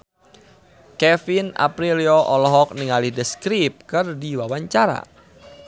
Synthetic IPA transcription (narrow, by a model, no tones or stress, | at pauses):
kɛfina̰pɾiliɔʔɔlɔɦɔk̚niŋalihdəskɾip̚kɨrdiwawaɲt͡ʃaɾa̰